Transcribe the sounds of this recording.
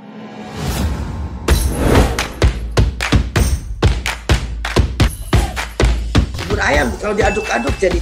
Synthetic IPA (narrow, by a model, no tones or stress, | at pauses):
bʊɾajamkaladiadʊkadʊk̚d͡ʒadi